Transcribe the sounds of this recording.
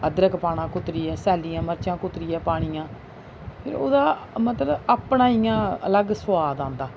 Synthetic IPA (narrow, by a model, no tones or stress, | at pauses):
əd̪ɾəkpaːɽãːkʊt̪ɾiːɛːsɛːliːãːməɾt͡ʃãːkʊt̪ɾiːɛːpaːɽ̃iːãː | pʰɪ̰ɾo̰ːd̪aːmət̪ləbaːpɳãːijãːə̰ləɡsʊwaːd̪ãːnd̪aː